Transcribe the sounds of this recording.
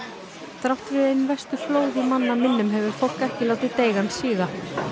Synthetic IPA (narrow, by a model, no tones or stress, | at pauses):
t̪ɾawht̪ɾɪðejnvɛst̪ʏ̥floːwðɪmanːamɪnːʏmɦɛvʏɾ̥fowl̥kɛhcɪlaːwt̪ɪt̪eːjɣansiːɣa